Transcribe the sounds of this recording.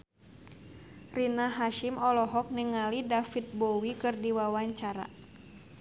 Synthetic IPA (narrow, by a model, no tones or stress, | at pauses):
rinaɦaʃimɔlɔɦɔk̚nɛŋalidafit̪̚bɔwikɨrdiwawaɲt͡ʃaɾa̰